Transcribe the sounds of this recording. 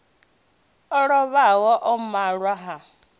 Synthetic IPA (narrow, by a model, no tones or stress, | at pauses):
ɔɺɔβawɔʔɔmaɺwaɦa